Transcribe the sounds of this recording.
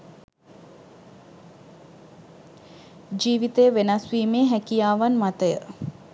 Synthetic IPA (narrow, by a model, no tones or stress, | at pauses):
d͡ʒiːʋit̪əjəʋenasʋiːmeːɦækijaːʋanmat̪əjə